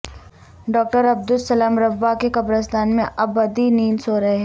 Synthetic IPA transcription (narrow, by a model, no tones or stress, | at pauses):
ɖɔːk̚ʈəɾɐb̚d̪ʊlsɐlaːmɾɐbːakekɐbɾəs̬t̪aːnmẽʔɐbːɐd̪iniːnsoːɾɐɦeɦɛ